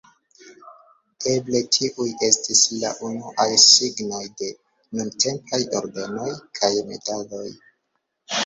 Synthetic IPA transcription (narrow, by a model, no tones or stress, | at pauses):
e̞ble̞tiʔuje̞stislaʔunuʔajsiɡnojde̞ | nunte̞mpʰajo̰ɾdeno̞jkʰajme̞̰talo̞j